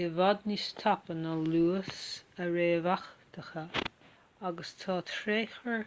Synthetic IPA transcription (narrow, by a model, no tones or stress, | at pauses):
ɪvɔd̪nist̪ʰɔpənəluːsəɹeːvaxt̪ʰəxə | aɡəst̪ʰɑːt̪ʰɾeːxəɹ